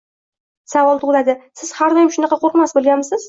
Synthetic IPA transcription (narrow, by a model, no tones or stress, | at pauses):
savɒlˠt̪ʰʊʁlˠad̪ɪsɪz̥haɾd̪ɒjɪmʃʊnɑqʰɑqʰoɾqmasbolˠɡʲanmɪsɪz